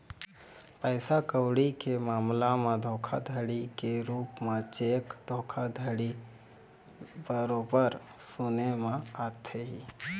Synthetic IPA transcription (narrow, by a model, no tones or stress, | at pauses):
pəɪsakəʊɽikemaːmlamẽd̪ʱoːkʰad̪ʱəɽikeɾuːpmet͡ʃeːkd̪ʱoːkʰad̪ʱəɽi | bəɾoːbəɾ | sʊnemẽat̪ʰeɦi